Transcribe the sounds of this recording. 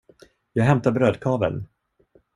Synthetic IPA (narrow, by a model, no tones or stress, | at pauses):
jɑːɡɦɛmt̪aɾbɾøːd̪̚kʰɑːvə̰n